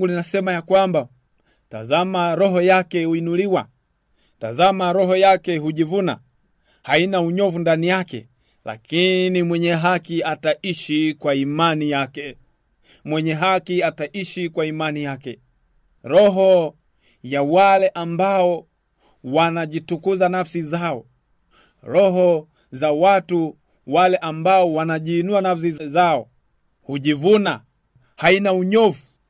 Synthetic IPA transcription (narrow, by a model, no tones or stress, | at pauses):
ɡulinasɛmajakwamba | ta̰zamaɾɔɦɔjakɛhuinuliwa | tazamaɾɔɦɔjakɛɦuʄivuna̰ | hainauɲɔvundanijakɛ̰ | la̰kinimwɛɲɛɦakiataiʃikwaimanijakɛ | mwɛɲɛɦakiataʔiʃikwaimanijakɛ | ɾɔɦɔ | jawalɛʔambaɔ | wanaʄitukuzanafsizaɔ | ɾɔɦɔ | zawatu | walɛʔambaɔwanaʄiːnuanafs̬izaɔ | huʄivuna | hainauɲɔvu